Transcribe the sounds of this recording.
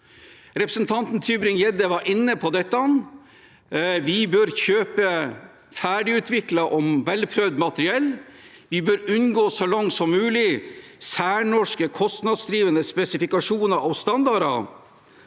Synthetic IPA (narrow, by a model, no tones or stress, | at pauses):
ɾɛpɾəsnt̪ʰɑnt̪n̩t̪ʰyːbɾɪŋjɛd̪əʋɑɾʔɪnːəpʰɔd̪ɛt̪ːɑn | ʋɪbœɾçøːpə | fæːɖɪʉːt̪ʰʋɪkləʔɔmʋɛlpʰɾœʋd̪mɑt̪əɾɪɛlː | ʋɪbœɾʉnɡoːsɔlɑŋt̪sɔmːʉːlɪsæːɳɔʂkəkʰɔst̪nɑd̪sd̪ɾiːʋənəspɛsɪfɪkɑʂuːnɑɾʔɑʋst̪ɑnd̪ɑɾɑ̰